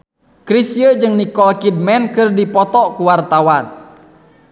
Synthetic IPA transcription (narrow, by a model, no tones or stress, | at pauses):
kɾisiəd͡ʒɨŋnikɔlkid̚mɛnkɨrdipɔt̪ɔkuwart̪awan